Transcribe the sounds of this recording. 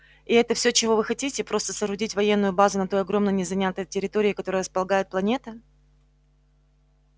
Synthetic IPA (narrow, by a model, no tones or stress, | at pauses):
ɪɛt̪əfsʲot͡ɕɪvo̞vɨxɐtʲitʲɪpɾo̞st̪əsəɾʊdʲitʲvɐjenːʊjʊbazʊnɐt̪o̞jɐɡɾo̞mnənʲɪzɐnʲat̪əjtʲɪɾʲɪt̪oɾʲɪːkɐt̪o̞ɾəjəɾəspəlˠɐɡajɪt̪plˠɐnʲe̞t̪ə